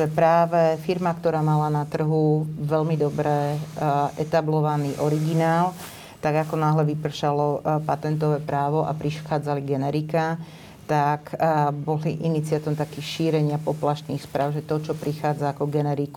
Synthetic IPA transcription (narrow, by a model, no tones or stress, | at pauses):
ɛpɾaːʋɛfiɾmakt̪ɔɾaːmalanat̪r̩ɦuʋɛʎmid̪ɔbɾɛ | ʔɛt̪ablɔʋaniːʔɔɾiɡinaːl | t̪aɡakɔnaːɦlɛʋipr̩ʃalɔpat̪ɛnt̪ɔʋɛːpɾaːʋɔʔa̰pɾiʃxaːd͡zaliɡɛnɛɾika | t̪akbɔliʔinit͡siat̪iɔmt̪akiːxʃiːɾɛɲɪapɔplaʃt̪niːxspɾʔaːʊʒɛt̪ɔt͡ʃɔpɾixaːd͡zaːkɔɡɛnɛɾiku